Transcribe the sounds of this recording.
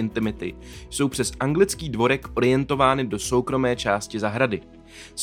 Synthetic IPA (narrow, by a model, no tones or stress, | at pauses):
ɪnt̪ɪmɪt̪ɪ̰so̞wpr̝̥ɛsʔaŋɡlɪt͡skiːdvo̞ɾɛkʔo̞ɾɪjɛnt̪o̞vaːnɪdo̞so̞wkɾo̞mɛːt͡ʃaːscɪzaɦɾadɪ | s